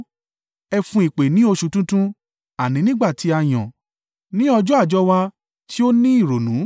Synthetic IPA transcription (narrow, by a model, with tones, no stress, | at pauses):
ɛ˧fũ˧i˨k͡pe˨nĩ˨˦o˧ʃu˧˦tũ˦tũ˦ | a˨nĩ˨˦nĩ˦ɡ͡ba˦˨ti˨˦a˧˨j̃ɔ̃˨ | nĩ˦ɔ˧d͡ʒɔ˦a˦˨d͡ʒɔ˦wa˧ | tʰi˦o˦nĩ˦i˦˨ɾo˨nũ˨˦